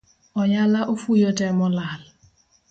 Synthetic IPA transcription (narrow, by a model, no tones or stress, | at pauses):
ɔjalaʔofujɔtɛmɔlaːl